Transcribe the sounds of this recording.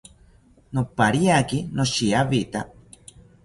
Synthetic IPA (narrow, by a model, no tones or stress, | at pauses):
nopaɾiakinoʃiaβit̪a